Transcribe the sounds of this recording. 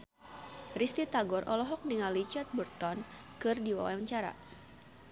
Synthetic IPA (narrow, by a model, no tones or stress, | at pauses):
rist̪it̪aɡɔrʔɔlɔɦɔk̚niŋalit͡ʃart̪̚bərt̪ɔn | kɨrdiwa̰wa̰wəɲt͡ʃaɾa̰